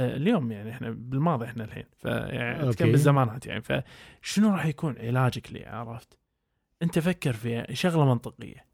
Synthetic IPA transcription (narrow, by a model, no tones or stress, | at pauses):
ljoːmjaʕniɪħnabɪlmɑːðˤiʔɪħnalħḛːnfa̰ja̰ʕnḭʔakabɪzːamaːnaːt̪ja̰ʕnifa̰ʃɪnuɾɑːħjakuːnʕɪlaːd͡ʒaklḭʕa̰ʕɾˤɑft̪ | ʔɪnt̪afakːɑɾˤfiha̰ʃaɣlamɑnt̪ˤɨqɪ̰jːa